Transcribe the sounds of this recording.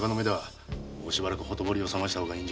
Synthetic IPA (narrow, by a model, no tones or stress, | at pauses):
kanomed̪e̞βaː | ɕibaɾakɯ̟ho̞t̪o̞bo̞ɾʲio̞samaɕ̬it̪aɦo̞ːɡaĩɲ̟d͡ʑ